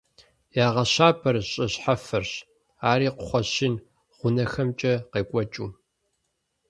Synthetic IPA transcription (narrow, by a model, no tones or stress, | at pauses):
jaːʁɐɕaːbʰɐɾɨɕʼɐɕħafɐrɕ | aːɾiːqʷʊχʷɔɕɪn | ʁʷʊnɐxɐmt͡ʃʼɐqeːkʷʼɔt͡ʃʼṵː